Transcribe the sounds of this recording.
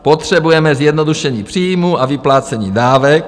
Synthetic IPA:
pot̪r̝̥ɛbujɛmɛzjɛd̪nod̪uʃɛɲiːpr̥iːjmuavɪplaːt͡sɛɲiːdaːvɛk̚

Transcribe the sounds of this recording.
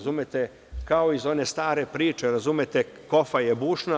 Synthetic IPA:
zumjet̪e | kao̞izo̞ne̞st̪aːɾe̞pɾiːt͡ʃe̞ɾazumjet̪e | ko̞faje̞buːʃna

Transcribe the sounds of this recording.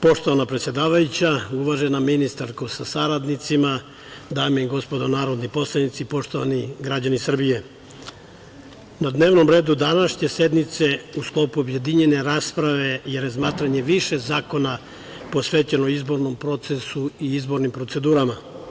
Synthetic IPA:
po̞ʃt̪oʋanapɾet̪sje̞d̪aːʋajut͡ɕauʋaʒe̞naminist̪aɾkosasaɾad̪nit̪sima | d̪aːmiɡo̞spo̞d̪onaːɾo̞d̪nipo̞slˠanit̪sipo̞ʃt̪o̞ʋa̰niɡɾad͡ʑanisr̩bije̞ | nad̪ne̞ːʋno̞mɾe̞ːd̪ud̪anaʃɲe̞se̞d̪nit̪se̞usklˠo̞ːpuobje̞d̪iɲe̞ne̞ɾaːspɾaʋe̞jeɾazmaːt̪ɾaɲe̞ʋiʃe̞zaːko̞na | po̞sʋeːt͡ɕenoizbo̞ɾno̞mpɾo̞t̪se̞suiizbo̞ɾnimpɾo̞t̪se̞d̪uːɾama

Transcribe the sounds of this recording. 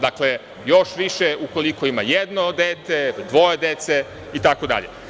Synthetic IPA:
d̪akle̞ | joʃʋiʃeuko̞likoima̰jed̪nod̪eːt̪e̞d̪ʋo̞jed̪et̪se | it̪ako̞d̪a̰ʎḛ

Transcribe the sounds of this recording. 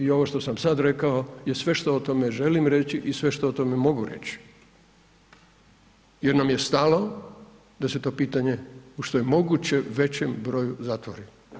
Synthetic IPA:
io̞ʋoʃt̪o̞samsad̪ɾe̞kaoje̞sʋe̞ʃt̪o̞ot̪o̞meʒe̞limɾe̞t͡ɕiʔisʋe̞ʃt̪oot̪o̞memo̞ɡuɾḛt͡ɕi̥ | jeɾnamje̞st̪alo | d̪ase̞t̪o̞piːt̪aɲe̞uʃt̪o̞jemo̞ɡut͡ɕe̞uʋe̞t͡ɕembɾo̞juzat̪ʋoɾi

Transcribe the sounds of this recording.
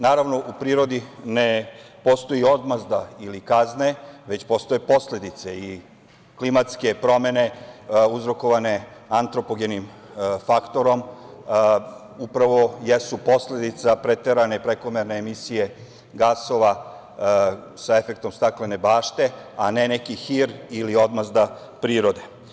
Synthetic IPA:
naːɾaʋno̞ʔupɾiːɾo̞d̪inepo̞st̪ojio̞d̪mazd̪ailikazne̞ʋe̞t͡ɕpo̞st̪o̞jepo̞sle̞d̪it̪se̞i | klimat̪ske̞pɾo̞me̞ne̞uzɾo̞ko̞ʋane̞ant̪ɾo̞poɡenim | fakt̪o̞ɾo̞m | upɾaʋo̞jesupo̞sle̞d̪it̪sapɾet̪eɾane̞pɾeko̞meɾne̞ːmisije̞ | ɡaso̞ʋa | sae̞fe̞k̚t̪o̞mst̪akle̞ne̞baːʃt̪e̞ | ane̞nekixiɾilio̞d̪mazd̪a | pɾiːɾo̞d̪e̞

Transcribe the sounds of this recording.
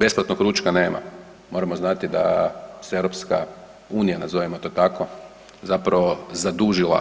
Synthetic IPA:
be̞splˠat̪nokɾuːt͡ʃkane̞ːma̰ | mo̞ɾamo̞znat̪id̪a̰seeʋɾopska | uːnijanazo̞ʋimot̪o̞t̪ako | zapɾaʋo̞zad̪uʒilˠa̰

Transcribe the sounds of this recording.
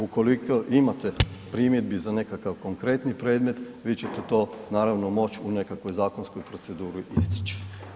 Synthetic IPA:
uko̞likoʔimat̪e̞pɾiːmjed̪̚bizane̞kakaʋko̞ŋkɾe̞t̪nipɾe̞ːd̪me̞t̪ | ʋiːt͡ɕet̪et̪o̞ːnaːɾaʋnomo̞t͡ʃune̞kakʋo̞jzaːko̞nskojpɾo̞t̪se̞d̪uːɾiʔist̪i̥t͡ʃi̥

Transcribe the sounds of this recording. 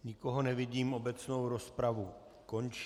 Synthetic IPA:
ɲɪko̞ɦo̞nɛvɪɟiːmʔo̞bɛt͡snowɾo̞spɾavu | ko̞nt͡ʃ

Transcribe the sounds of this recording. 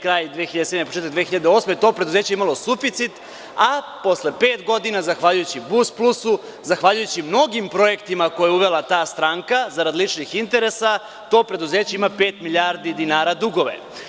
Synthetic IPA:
kɾaːjd̪ʋeːxiʎad̪esed̪nepot͡ʃet̪akd̪exiʎad̪eo̞ːsmeet̪o̞pɾe̞d̪uze̞ːt͡ɕeeimalˠo̞sufit̪sit̪ | a | po̞slepeːt̪ɡo̞d̪inazaxʋaːʎujut͡ɕibusplˠusu | zaxʋaːʎujut͡ɕimno̞ɡimpɾo̞je̞kt̪imako̞jeuʋelˠat̪aːst̪ɾaːŋkazaɾad̪lit͡ʃnixint̪e̞ɾesa | t̪o̞ːpɾe̞d̪uzeːt͡ɕe̞imape̞ːt̪miʎaːɾd̪id̪inaːɾad̪uɡo̞ʋḛ

